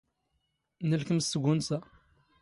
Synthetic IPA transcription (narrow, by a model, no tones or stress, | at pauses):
nəlkəmsəɡʷʊnsæ